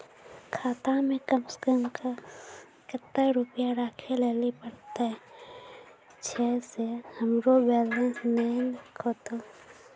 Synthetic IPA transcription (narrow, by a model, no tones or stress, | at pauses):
kʰaːt̪amẽkəmsə̥kəmka | kət̪ːəɾʊpijaɾaːkʰeleːlipəɽt̪eɦ | t͡ʃʰɛːsehəmɾobɛːlə̃nsnənkʰoːt̪o